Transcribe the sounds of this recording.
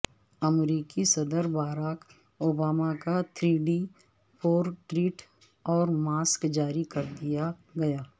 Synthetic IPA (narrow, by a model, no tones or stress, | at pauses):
əmɾiːkisɐd̪əɾbaːɾaːk | oːbaːmakat̪ʰɾiːɖi | pʰoːɾʈɾiːʈ | ɔːɾmaːskd͡ʒaːɾikɐɾd̪ijaɡɐjaː